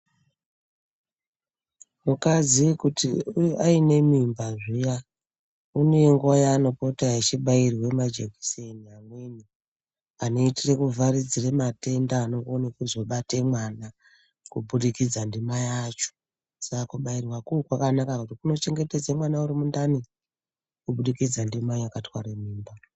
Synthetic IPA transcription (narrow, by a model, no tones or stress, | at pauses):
mukaziʋikutiujʔaine̞mimbaʐija | uneŋɡuwajano̞po̞taet͡ʃiɓairwemad͡ʒeɡʱi̥seniamweni | ano̞itire̞kuvʱarid͡zire̞mate̞ndaːnoŋɡonekuzo̞ɓatemwana | kuɓuɗikid͡zandimajat͡ʃo̥ | sakakuɓairwakuːkwakanakakutikuno̞t͡ʃe̞ŋɡe̞te̞d͡zemwanauɾimundani | kuɓuɗikid͡zandimaakatwaɾemiːmba